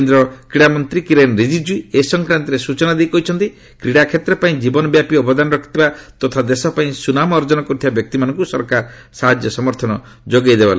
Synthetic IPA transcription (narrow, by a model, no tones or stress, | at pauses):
end̪ɾɔkɾiɽamɔnt̪ɾikiɾenɾid͡ʒid͡ʒuiesɔŋkɾant̪ɔɾesut͡ʃɔnad̪ejkɔɦit͡ʃʰɔnt̪i | kɾiɽakʰet̪ɾɔpaĩd͡ʒibɔnɔbjapiɔbɔd̪anɔɾɔkʰi̥t̪ʰibat̪ɔt̪ʰad̪esɔpaĩsunamɔːɾd͡ʒɔnɔkɔt̪ʰiabjɔk̚t̪imanɔŋkusɔɾkaɾɔ | saɦad͡ʒjɔsɔmɔɾt̪ʰɔnɔ | d͡ʒoɡajd̪ebala